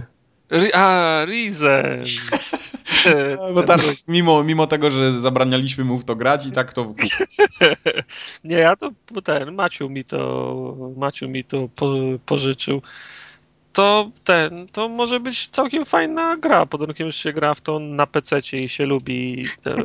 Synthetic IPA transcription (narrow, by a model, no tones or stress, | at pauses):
ɾʔaɾizɛ̰ | bɔt̪akmʲimɔmʲimɔt̪ɛɡɔʐɛzabɾaɲalʲiɕmɘmuft̪ɔɡɾat͡ɕit̪akt̪ɔku | ɲɛjat̪ɔbɔt̪ɛnmat͡ɕumʲit̪ɔ̰mat͡ɕumʲit̪ɔpɔpɔʐɘt͡ʂɨ̰w | t̪ɔt̪ɛnt̪ɔmɔʐɛbɘt͡ɕt̪sawkʲɛmfajnaɡɾapɔd̪ɔunkʲɛmʐɕɛɡɾaft̪ɔnapɛt̪sɛt͡ɕɛiɕɛlubʲit̪ɔ̰